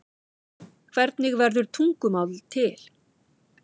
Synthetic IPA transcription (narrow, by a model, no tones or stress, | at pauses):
kʰv̥ɛɾt̪nɪɣvɛɾðʏɾ̥t̪ʰuŋkʏmawðlt̪ʰɪl̥